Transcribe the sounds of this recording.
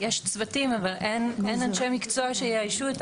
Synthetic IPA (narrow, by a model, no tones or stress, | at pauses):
jeʃt͡svatimavalʔenenanʃejmikt͡soaʃejeajʃuet̪